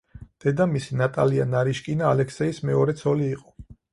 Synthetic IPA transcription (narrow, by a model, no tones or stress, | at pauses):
d̪̥ɛd̪amisinat̪ʼalianaɾiʃkʼinaːlɛkʰsɛismɛɔɾɛt̪sʰɔliːqʼɔ̥